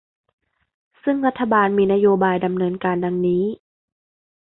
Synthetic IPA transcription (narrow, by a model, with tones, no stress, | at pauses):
sɯ˥˩ŋla˦˥t̪ʰːa˧baː˧nmiː˧na˧˥joː˧baː˧jda˨˧mnɤː˧nkaː˧nda˧ŋniː˦˥